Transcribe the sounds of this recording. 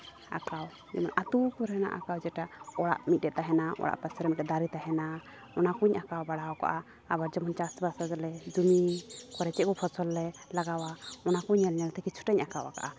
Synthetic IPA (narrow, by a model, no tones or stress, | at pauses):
a̰kaw | d͡ʒɛmɔnʔat̪ukuɾhɛna̰ʔa̰kawd͡ʒɛʈaɔɽa̰ʔmit̪̚ɖɛt̪aɦɛnaɔ̰ɽa̰ʔpasɾɛmit̪̚ɛd̪aɾit̪aɦɛna | ɔnakuɲʔakawbaɽawka̰ʔaː | baɾd͡ʒɛmɔnt͡ʃasbasad͡ʒlɛd͡ʒumikɔɾɛt͡ʃɛkɔpʰɔsɔlːɛlaɡawaɔnakuɲːɛlɲalt̪ɛkit͡ʃʰu̥ʈɛɲakawa̰ka̰ʔa